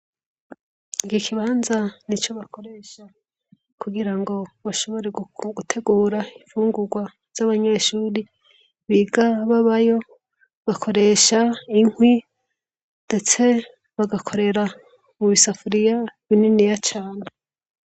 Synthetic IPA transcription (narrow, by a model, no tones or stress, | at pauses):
ikikʰiβaːnzanit͡ʃo̞βakʰo̞ɾe̞ʃa | kʰuɡiɾaŋɡo̞βaʃo̞βo̞ɾe̞ɡɡutʰe̞ɡuːɾaiɱfuːŋɡuɾɡwa | z̥aβaɲe̞ʃuːɾi | βiːɡaβaβajo̞ | βakʰo̞ɾe̞ʃaiŋwi | nde̞t͡se̞ | βaɡakʰo̞ɾe̞ɾa | muβisafuɾijaβininijat͡ʃaːne